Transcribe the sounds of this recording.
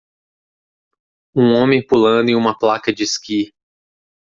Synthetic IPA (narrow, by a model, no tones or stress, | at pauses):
ũõmẽj̃pulɐ̃nd̪ʊẽũmɐplakɐd͡ʒɪski